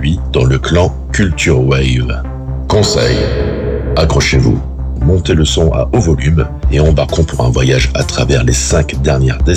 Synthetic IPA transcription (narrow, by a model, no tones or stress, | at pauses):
ɥid̪̥ɑ̃ləklɑ̃ | kʲylt̪yʁwɛjv | kɔ̃sɛ̰j | akχɔʃevṵ | mɔ̃t̪eləsɔ̃ʔa̰ʔovɔlym | eɑ̃baʁkɔ̃puʁɛ̃vwajaʒa̰t̪χavɛʁlesɛ̃kd̪ɛʁnjɛʁd̪e